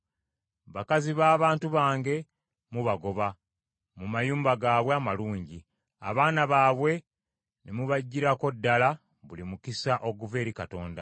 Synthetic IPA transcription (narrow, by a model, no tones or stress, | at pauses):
βakaziβaːβaːntuβaːŋɡe̞ | muβaɡo̞βa | mumajuːmbaɡaːβweamaluːɲɟi | aβaːnaβaːβwe̞ | nʔemuβaɟːiɾako̞dːala | βulimukisaʔo̞ɡuve̞ːɾikato̞ːnda